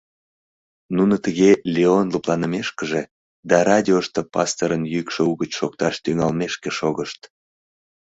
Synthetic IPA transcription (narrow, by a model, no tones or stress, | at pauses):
nunət̪əɣelʲeonluplɑnəmeʃkəʒe | d̪ɑrɑdʲioʃt̪əpɑst̪əɾənjykʃeuɣət͡ɕʃok̚t̪ɑʃt̪yŋɑlmeʃkeʃoɣəʃt̪